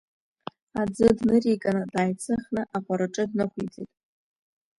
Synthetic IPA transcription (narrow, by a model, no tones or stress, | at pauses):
ad͡zɨdnɨrikʼanɨdaːjt͡sʰɨχnɨʔaqʷʼaɾɨʈ͡ʂʼɨdnɨχʷʰid͡zḛtʼ